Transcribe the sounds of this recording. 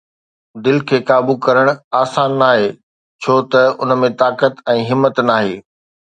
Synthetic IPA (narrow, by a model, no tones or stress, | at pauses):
d̪ɪlkʰeːkaːbukɐɾəɽ̃aːsaːnːaːɦeː | t͡ɕʰoːt̪ɐʊnəmẽt̪aːkət̪ɛ̃ːɦɪmːət̪naːɦeː